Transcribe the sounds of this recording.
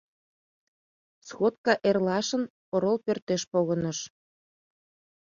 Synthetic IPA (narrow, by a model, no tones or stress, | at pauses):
sxot̪̚kɑʔerlɑʃə̆n | oɾolpørt̪eʃpoɣə̆nə̆ʃ